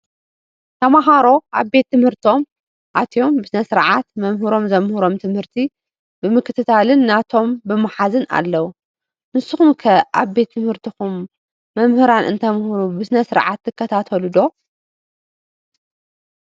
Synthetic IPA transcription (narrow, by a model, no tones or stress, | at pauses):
t̪ʰɐmaɦaɾo̞ʔaβbe̞t̪ʰːɨmhɨɾt̪o̞m | ʔat̪ʰjo̞mbɨsɨnɐsɨɾʕat̪mɐmɦɨɾo̞mzɐmhuɾo̞mt̪ʰɨmhɨɾt̪ʰi | bɨmɨkːɨt̪ʰɨt̪ʰalɨnːat̪ʰo̞mbɨmaħazɨna̰lːɐwu | mɨsɨxumkʰɐʔa̰βbe̞t̪ʰːɨmhɨɾt̪ʰixumː | ɐmhɨɾanʔɨ̰nt̪ʰɐmhɾubɨsɨnɐsɨɾʕa̰t̪ʰːɨkːɐt̪ʰat̪ʰɐlud̪o̞